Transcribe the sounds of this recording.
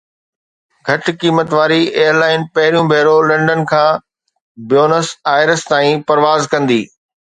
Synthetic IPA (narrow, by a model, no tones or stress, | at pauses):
ɡʱɐʈkiːmət̪ʋaːɾieːəɾlaːɪnpɐɦɪɾijũbʱeːɾolɐ̃ɳɖən̆kʰãː | bjoːnəsaːɪɾəst̪aːĩpɐɾʋaːzkɐ̃nd̪iː